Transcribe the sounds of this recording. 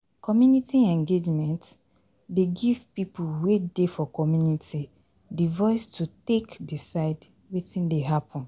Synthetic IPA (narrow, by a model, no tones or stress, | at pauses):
kʰɔmjunitiɛ̃ŋɡed͡ʒmɛ̃nt | deɡiv̥pipuwedefɔkɔmjunitʰi | divɔɪstʰutekdisaɪd | wetĩndeɦapʰɔ̃n